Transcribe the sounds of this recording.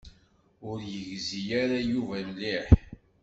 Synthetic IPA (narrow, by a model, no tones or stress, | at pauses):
ʊɾjəʝzijaɾajuvælliħ